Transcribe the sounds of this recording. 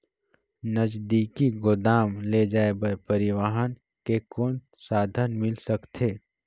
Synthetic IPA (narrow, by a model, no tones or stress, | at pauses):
nəd͡ʒd̪iːkiɡʊd̪aːmled͡ʒaːebəɾpəɾɪʋaɦən | kekoːn | saːd̪ʱənmɪlsəkt̪ʰeː